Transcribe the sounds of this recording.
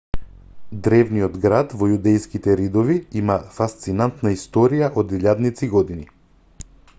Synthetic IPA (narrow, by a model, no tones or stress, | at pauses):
d̪ɾɛvnijɔd̪ɡɾad̪vɔjud̪ɛjskit̪ɛɾid̪ɔviimafast̪sinant̪naist̪ɔɾijaʔɔd̪iʎʲad̪nit̪siɡɔd̪ini